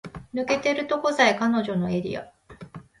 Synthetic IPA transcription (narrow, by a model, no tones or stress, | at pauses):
nɯ̟ke̞t̪e̞ɾɯ̟t̪o̞kozaikano̞ʑo̞no̞e̞ɾʲḭa̰